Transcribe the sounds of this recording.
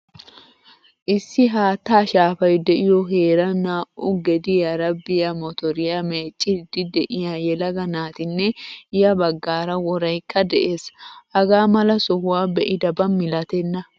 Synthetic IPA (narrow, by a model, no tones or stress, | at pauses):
ʔɪsːɪɦaːt̪ːaːʃaːfɐjd̪ɛʔɪjɔɦe̞ːɾɐnaːʔʊɡɛd̪ɪjɐɾɐbːɪjɐmɔt̪ɔɾɪjame̞ːt͡ʃʼːɪd̪̥ɪd̪ɛʔɪjaːjɛlɐɡɐnaːt̪ɪnːɛjɐbɐɡːaːɾɐwɔɾɐjkʰːɐd̪ɛʔe̞ːshɐɡaːmɐlɐsɔhʊwaːbɛʔɪd̪ɐbɐmːɪlɐt̪ɛnːɐ